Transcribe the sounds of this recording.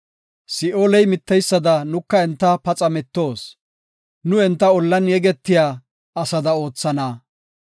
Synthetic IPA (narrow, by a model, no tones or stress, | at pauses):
sɪʔoːlɛjmɪt̪ːɛjsːɐd̪ɐnʊkːɐɛnt̪ːɐpɐt͡sʼɐmɛt̪ːo̞ːs | nʊɛnt̪ːɐɔlːɐnjɛɡɛt̪ːɪjaː | ɐsɐd̪ɐo̞ːt͡sːɐnɐ